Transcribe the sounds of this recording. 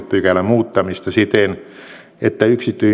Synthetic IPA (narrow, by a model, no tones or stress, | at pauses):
t̪pykælːæmuːt̪ːɑmist̪ɑsit̪en | et̪ːæyksit̪ːyi